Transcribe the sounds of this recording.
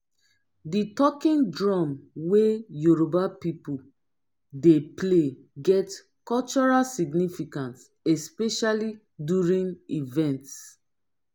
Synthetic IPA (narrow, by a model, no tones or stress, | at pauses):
ditɔkĩndɹɔmwejuɹobapipu | deple | ɡɛt | kɔlt͡ʃɔɹalsiɡnifikãns | ɛspeʃali | djuɹĩnivɛ̃nts